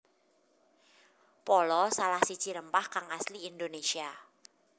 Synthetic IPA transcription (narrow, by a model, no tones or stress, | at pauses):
pɔlɔsalahsi̥t͡ʃiɾəmpahkaŋasliːnd̪onesia